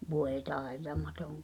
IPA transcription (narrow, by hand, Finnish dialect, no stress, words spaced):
ʋoˑe tɑˑetɑmɑtoŋ